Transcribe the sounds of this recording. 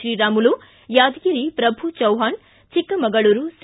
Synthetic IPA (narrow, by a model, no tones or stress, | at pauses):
ɾiːɾaːmulu | jaːd̪ɡiɾipɾɐbʱut͡ʃɐwɦaːn | t͡ʃikːɐmɐɡɐɭuɾus